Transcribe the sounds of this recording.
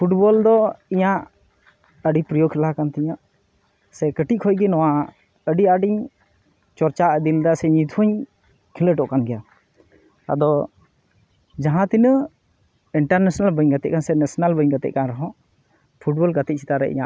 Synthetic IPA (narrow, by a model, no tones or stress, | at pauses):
pʰuʈbɔld̪ɔiɲaʔ | əɖipɾijokʰilakant̪ɛɲaʔ | sɛkəʈiʔ̚kʰɔjɡɛnɔwa | əɖiaɖiɲ | t͡ʃɔɾt͡ʃaʔd̪ild̪asɛɲit̪ʰuɲ | kʰiləʈɔʔkanɡɛja | a̰d̪ɔ | d͡ʒaɦãt̪inə | iɳʈaɾnɛsnalbəɲɡat̪ɛ̰ʔ̚kansɛnɛsnalbəɲɡat̪ɛ̰ʔ̚kanɾɔɦɔ̃ʔ | pʰuʈ̚bɔlɡat̪it̚t͡ʃʰi̥t̪aɾɛ̰ʔḭɲa̰ʔ